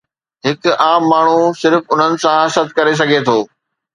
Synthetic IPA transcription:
ɦɪkʊaːmːaːɳ̤usɪɾfʊn̤ənɪ̆sãɦɐsət̪kɐɾes̬ɐɡʱet̪ʰoː

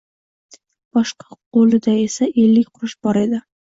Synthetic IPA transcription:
b̥ɒʃqɑ̥qolˠɪd̪aesaʔelːɪkʲqʰʊɾɪʃb̥ɒɾe̞d̪ɪ

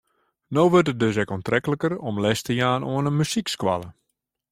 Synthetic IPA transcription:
noːʋørtət̚døs̬ɛkɔntrɛkələkərɔmlɛstəjaːnoənəmysikskwa̰lˠə

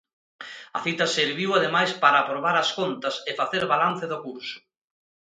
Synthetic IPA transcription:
ɐ̰θit̪ɐseɾβiwaðemajspaɾaːpɾoβ̞aɾɐskont̪ɐsefaθeɾβalan̟θeðokuɾsʊ̥

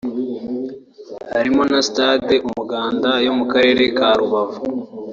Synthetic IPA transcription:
haɾimo̞nasi̥tadeʔumuɡaːndajo̞mukaɾe̞ːɾe̞kaɾuβavu

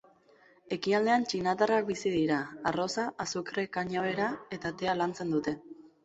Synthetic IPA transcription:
e̞kiald̪e̞ant͡ʃinat̪arak̚bisið̞iɾaːro̞saʔasukɾekaɲaβe̞ɾae̞t̪at̪e̞alant͡se̞nd̪ut̪e̞

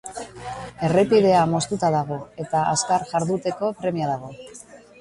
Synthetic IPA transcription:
e̞re̞piðe̞amo̞st̪ut̪aðaɣ̞o̞e̞t̪aa̰skaɾʝaɾðut̪e̞ko̞pɾe̞miaðaɣ̞o̞

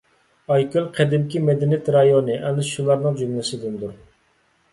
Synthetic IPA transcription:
ɑjkʲylˠqʰɛd̪ɪmkʲimɛd̪ɪnijt̪ɾɑjonɨʔɛnɪʃulˠɑɾnɨŋd͡ʒymlɪsɪd̪ynd̪uɾ

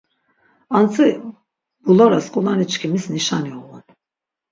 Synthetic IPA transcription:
ant̪ʰɯ | b̥ulˠaɾaskolˠanit͡ʃcʰʲimizniʃanjolun

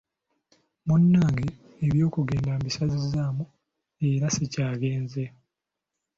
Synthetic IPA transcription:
munːaːŋɡe | eβjo̞ːkuɡe̞ːndambisazizamu | e̞ɾasecaːɡe̞ːnze

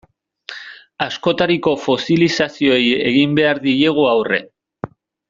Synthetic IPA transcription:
asko̞t̪aɾiko̞fo̞silisasio̞eje̞̰ɣimbe̞aɾðije̞ɣ̞uawre̞̰

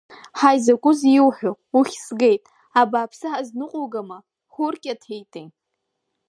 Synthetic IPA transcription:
ħajzakʷʼʊziwħʷᶣo | uχʲsɡe̞jtʼ | abaːpʰsɨħaznɨqʷʼoɡama | χʷʊrkʲʼatʰejtʼej

